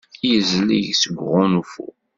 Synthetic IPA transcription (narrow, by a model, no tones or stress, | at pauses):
jəzliʝsəɡʷʁʊnufṵ